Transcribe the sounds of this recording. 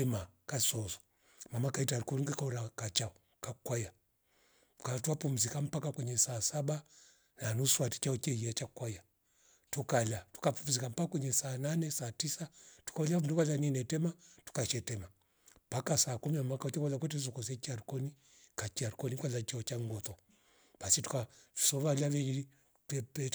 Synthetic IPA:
ɛmakasɔzɔ̥ | mamakaitaɾukɔnikakauɾakat͡ʃaɔ | kakwaja | katuapum̩zikam̩pakakwɛɲɛsaːsaɓa | nanuswati̥t͡ʃaɔt͡ʃɛiat͡ʃakwaja | tukalatu̥kapum̩uzikam̩pakakwɛɲɛsaːnanɛsaːtisatu̥kaulanduβalaninɛtɛmatu̥kat͡ʃɛtɛma | pakasaːkuminamwakaut͡ʃɛkwalakwɛtɛz̬ɔkɔsɛt͡ʃiaɾukɔni | kat͡ʃiaɾukɔnikwalat͡ʃaɔt͡ʃaŋɡɔt̪ɔ | basitu̥kau̥sɔβalavɛii | tɛpɛ

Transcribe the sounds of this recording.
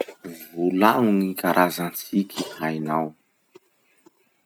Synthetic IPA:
vulaŋunikaɾʔazant͡sikʰihajnaw

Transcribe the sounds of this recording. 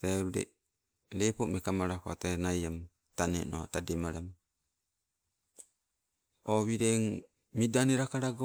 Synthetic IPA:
aɾudḛ | lepomekamaɾakoatanajam | tanḛno̰tademaɾam | oβiɾeŋ | midaneɾakaɾaɡo

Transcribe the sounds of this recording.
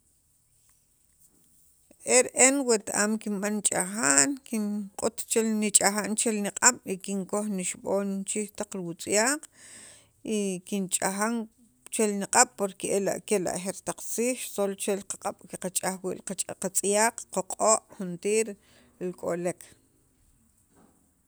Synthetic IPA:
ʔeɾʔenwet̪aʔaːmkinɓant͡ʃʼaxaːnkiɴqʼut̪t͡ʃelnit͡ʃʼaxaːnt͡ʃelniqʼaɓ̥ikiŋkoxniʃɓoːnt͡ʃiht̪aq͡χɾiwut͡sʼjaːq | ʔikint͡ʃʼaxaŋ | t͡ʃelnaqʼaɓ̥poɾkeʔela̰ʔkela̰ʔxeɾt̪aq͡χt͡siːxʃsolt͡ʃelqaqʼaɓ̥keqat͡ʃʼaxwḭʔlqat͡ʃʼaqat͡sʼjaːq͡χqoqʼoːʔχunt̪iːɾ | lkʼolek

